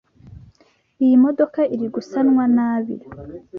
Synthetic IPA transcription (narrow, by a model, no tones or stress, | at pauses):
ijimo̞do̞kaiɾiɡusanŋwanaːβḭɾ